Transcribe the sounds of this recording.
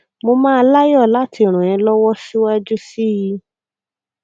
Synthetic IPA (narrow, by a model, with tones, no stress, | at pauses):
mo˧mã˦˧la˦jɔ˦˨la˦ti˧˦˨ɾ̃ũ˨jɛ̃˧lɔ˦wɔ˦ʃu˦wa˦d͡ʒu˦si˦ji˧